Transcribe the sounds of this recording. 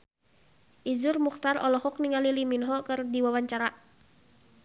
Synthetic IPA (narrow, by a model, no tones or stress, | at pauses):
ʔizurmuxt̪aɾɔ̰lɔhɔk̚niŋaliliminɦɔkɨrdiwawaɲt͡ʃaɾa